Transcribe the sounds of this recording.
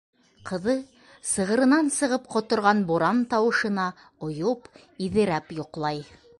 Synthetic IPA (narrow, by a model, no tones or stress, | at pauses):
qɤ̆ðɤ | sɤ̆ʁɤ̆ɾɤ̆nɑnsɤ̆ʁɤpqŏt̪ŏɾʁɑnboɾɑnt̪ɑwɤ̆ʃɤ̆nɑ | ŏjop | iðɘ̆ɾæpjŏqlˠɑj